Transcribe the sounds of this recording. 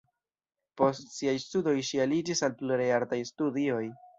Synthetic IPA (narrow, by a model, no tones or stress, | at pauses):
po̞stsiajstudo̞jʃialid͡ʒisalpluɾejaɾtajstudio̞j